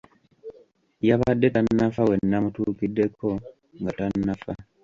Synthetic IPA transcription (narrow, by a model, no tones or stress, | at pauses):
jaβadːetanːafawe̞nːamutuːkidːe̞ko̞ | ŋɡatanːafa